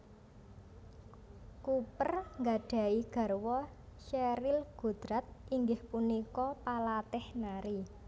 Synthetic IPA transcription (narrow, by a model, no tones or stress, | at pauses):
kupərŋɡaɖ̥a̤iɡ̥a̤rwɔ | ʃɛɾilɡ̥ṳd̪̥ɾat̪̚iŋɡɪhpunikɔpalat̪ɪhnaɾi